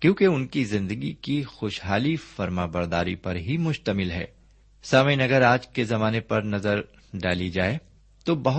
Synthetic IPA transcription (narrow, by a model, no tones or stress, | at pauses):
kjõːkeʊnkizɪ̃nd̪əɡikixoːʃɦaːlifɐɾmaːbɐɾd̪a̰ːɾḭpɐɾɦimʊʃt̪əmɪlɦɛ̰ː | saməjnɐɡəɾaːd͡ʒkezɐmaːnepɐɾnɐzəɾ | ɖaːlid͡ʒaːe | t̪obɐɦ